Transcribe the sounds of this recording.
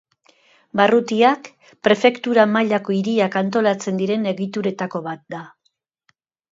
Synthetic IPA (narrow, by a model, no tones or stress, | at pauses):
barut̪iak | pɾe̞fe̞kt̪uɾamaʎako̞iɾiakant̪o̞lat͡se̞nd̪iɾe̞ne̞ɣit̪uɾe̞t̪ako̞βat̪̚d̪a